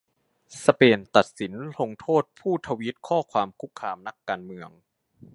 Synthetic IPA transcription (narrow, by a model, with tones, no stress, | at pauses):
sa˧peː˧nt̪a˨˩t̪̚si˩˦nlo˧ŋt̪ʰoː˥˩t̪̚pʰuː˥˩t̪ʰa˧wi˦˥t̪̚kʰɔː˥˩kʰwaː˧mkʰu˦˥k̚ʰːaː˧mna˦˥kːaː˧nmɯ˧əŋ